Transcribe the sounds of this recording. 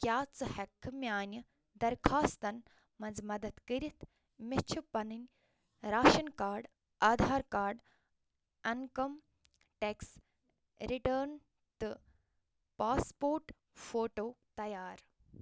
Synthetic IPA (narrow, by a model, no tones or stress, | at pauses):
kjaːt͡sɨhɐkʰːmjaːnʲjɐ | d̪ɐɾkʰaːst̪ɐn | mɐnzmɐd̪ɐt̪kəɾit̪ʰ | met͡ʃʰupɐnɨnʲ | ɾaːʃɐnkaːɾɖ | aːd̪ʱaːɾkaːɾɖ | ɐnkɐm | ʈeks | ɾiʈəːɾn | t̪ɨ | paːspoːɾʈ | foːʈoːt̪ɐjaːɾ